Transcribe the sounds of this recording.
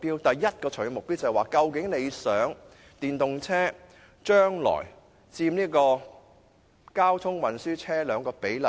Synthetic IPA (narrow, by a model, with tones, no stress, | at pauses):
piː˥wt̪ɐ˨jːɐ˥t̚kɔː˧t͡ʃʰɵ˨˥˩mʊ˨k̚pi˥wt͡sɐ˨jwaː˨˩kɐ˧wkɪ˨˥ŋne˨˧jsœː˨˥ŋ | t̪iː˨nt̪ʊ˨ŋt͡sʰɛː˥ | t͡ʃœː˥ŋlɔ̰ː˨˩j | t͡siː˧mniː˥kɔː˧ | kaː˥wt̪ʰʊ˥ŋwɐ˨nsyː˥t͡sʰɛː˥lœː˨˧ŋkɔː˧pe˨˥jlɐ˨˩